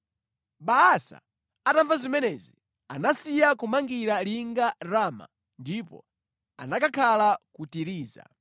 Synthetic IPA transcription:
ɓaːsa̰ | ataɱvazimɛnɛzi | anasijakumaŋɡiɾaliŋɡaɾaːma̰ | ndipɔ̰ | a̰nakakʰalakutiɾiːza̰

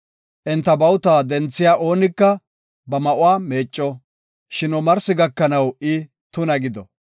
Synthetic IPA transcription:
ʔɛnt̪ːɐbɐwt̪aːd̪ɛnt͡sːɪjaːʔo̞ːnɪkːɐ | bɐmɐʔʊaːme̞ːt͡ʃʼːɔ | ʃɪnɔmɐɾsɪɡɐkːɐnɐwɪ | t̪ʊnɐɡɪd̪ɔ

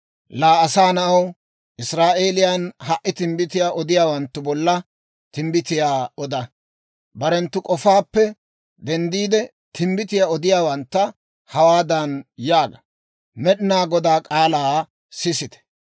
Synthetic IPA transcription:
laːɐsaːnɐʔɐw | ʔɪsɾaːʔeːlɪjanɦɐʔːɪt̪ɪmbɪt̪ɪjaːʔɔd̪ɪjaːwɐnt̪ːʊbɔlːɐ | t̪ɪmbɪt̪ɪjaːɔd̪ɐ | bɐɾɛnt̪ːʊkʼɔfaːpːɛ | d̪ɛnd̪iːd̪ɛ | t̪ʰɪmbɪt̪ɪjaːɔd̪ɪjaːwɐnt̪ːɐ | hɐwaːd̪ɐnjaːɡɐ | mɛɗɪnaːɡɔd̪aːkʼaːlaː | sɪsɪt̪ɛ̥

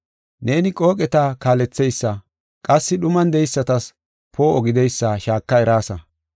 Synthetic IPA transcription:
ne̞ːnɪkʼo̞ːkʼɛt̪akaːlɛt͡sːɛjsːɐ | kʼɐsːɪɗʊmɐnd̪ɛjsːɐt̪ɐs | pʰo̞ːɔɡɪd̪ɛjsːɐʃaːkːɐɛɾaːsɐ

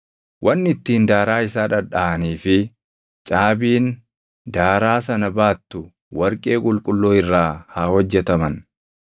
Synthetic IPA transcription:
wʔɐnːɪt̪ːiːnd̪aːɾaːɪsaːᶑɐᶑaʔɐniːfɪ | t͡ʃʼaːbiːn | d̪aːɾaːsɐnɐbaːt̪ːʊ | wɐɾkʼe̞ːkʼʊlkʼʊlːoːɪrːaːhaːhɔd͡ʒːɛt̪ɐmɐn

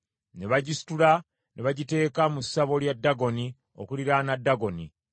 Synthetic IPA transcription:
ne̞βaɟisi̥tula | nʔe̞βaɟite̞ːkamusːaβo̞ljadːaɡo̞ni | o̰kuliɾanadːaɡo̞ni

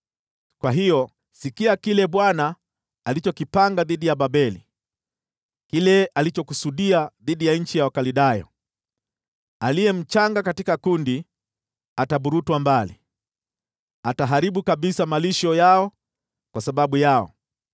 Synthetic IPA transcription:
kwaɦijɔ | sikiakilɛɓwanaː | lit͡ʃɔkipaŋɡaðiɗijabaɓɛli | kilɛalit͡ʃɔkusuɗiaðiɗijaɲ̩t͡ʃijawakaliɗajɔ̰ | alijɛm̩t͡ʃaŋɡakatikakundi | ataɓuɾutwambali | ataɦaɾiɓukaɓisamaliʃɔjaɔ | kwasaɓaɓujaɔ̰

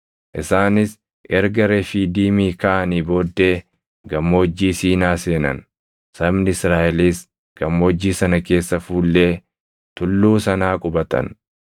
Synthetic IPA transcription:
ʔɪsaːnɪs | ʔɛɾɡɐɾefiːd̪iːmiːkɐʔɐniːbo̞ːd̪ːe̞ː | ɡɐmːoːd͡ʒːiːsiːnaːse̞ːnɐ̰n | sɐbnɪɪsɾaːʔɛliːs | ɡ̥ɐmːoːd͡ʒːiːsɐnɐke̞ːsːɐfuːlːe̞ː | t̪ʊlːuːsɐnaːkʼʊbɐt̪ɐ̰n

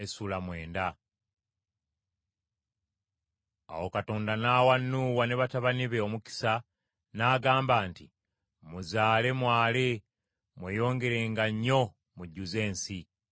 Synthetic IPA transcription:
esulamwe̞ːnda | a̰wo̞kato̞ːndanaːwanːuːwane̞βataβaniβe̞o̞muki̥sa | naːɡaːmbaːnti | muzaːle̞mwaːle | mwe̞ːjo̞ːŋɡe̞ɾe̞ːŋɡaɲːo̞ | muɟːuze̞ːnsi

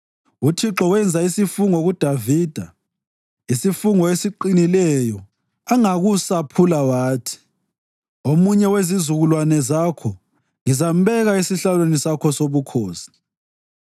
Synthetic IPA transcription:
utʰiǁɔwɛnd͡zʱaisifuŋɔɣud̥ʱaviːd̥ʱa | isifuŋɔesiǃinilɛjɔ | aŋaɣusapʰulawaːtʰi̥ | omuɲɛwezizuɣulwanɛzakʰɔ | ŋizam̩bɛɣaisiɬalwenisakʰɔsoβukʰoːsi̥

